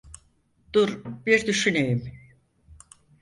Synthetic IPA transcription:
d̪̥uɾbiɾd̪yʃynejim

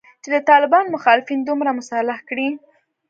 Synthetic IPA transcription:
t͡ʃed̪ət̪ɑlɪbɑnmʊxɑlɪfind̪umɾamʊsalahkɽi

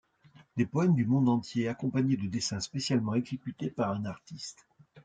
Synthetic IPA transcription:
d̪epɔɛmd̪ymɔ̃d̪ɑ̃t̪jeakɔ̃paɲed̪əd̪esɛ̃spesjalmɑ̃eɡzekʲyt̪epaʁɛ̃naʁt̪ist̪

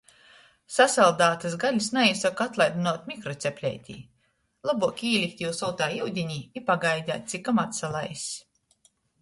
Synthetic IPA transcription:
sasalˠd̪aːt̪ɨsɡalʲisnaisɔkat̪lˠajd̪unuɔt̪ʲmʲikɾɔt̪sʲɛpʲlʲɛ̰jt̪ʲḭː | lˠabuɔkʲiːlʲikt̪ʲjiwsɔwt̪aːiwd̪ʲiɲʲiːipaɡajd̪ʲaːt̪̚ʲt̪sʲikamat̪salˠajsʲ

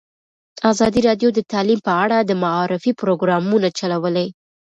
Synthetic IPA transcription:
azɑd̪iɾɑd̪jod̪ət̪ɑlimpəaɽad̪əmaɑɾɪfipɾoɡɾɑmunat͡ʃalawəlaj

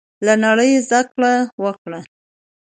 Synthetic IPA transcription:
lanaɽəjzd̪akɽawəkɽa

